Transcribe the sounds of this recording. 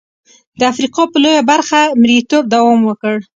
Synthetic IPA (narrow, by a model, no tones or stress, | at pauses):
d̪əafɾiqɑpəlojabaɾxamɾiit̪ob̚d̪awɑmwəkəɽ